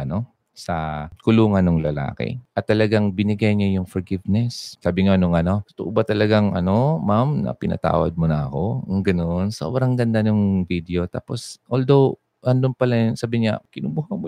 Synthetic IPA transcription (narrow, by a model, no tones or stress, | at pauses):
ʔɐno̞ | sɐkʊluːŋɐnːoŋlɐla̰ːkɪ̰ʔɐt̪ːɐlɐɡaŋbɪnɪɡajɲajʊŋfɔɹɡɪvnɛssaːbɪŋanʊŋɐno̞st̪oʔʊbat̪ɐlɐɡaŋʔɐ̰no̞mamnɐ̰pɪnɐ̰t̪a̰ːwɐ̰d̪̚mʊnɐɐko̞ŋɡɐnonso̰bɾɐŋɡɐnd̪anoŋvid̪ɛo̞t̪a̰ːpo̞sʔold̪ow | ɾɐnd̪ompɐlasaːbɪɲa̰kɪnʊmuːhɐmo